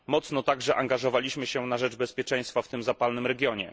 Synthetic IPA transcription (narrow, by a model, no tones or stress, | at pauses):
mɔt̪snɔt̪aɡʐɛʔaŋɡaʐɔvalʲiɕmɘɕɛnaʐɛd͡ʐbɛspʲjɛt͡ʂɛ̃j̃st̪faft̪ɘmzapalnɘmɾɛɡʲjɔɲɛ̰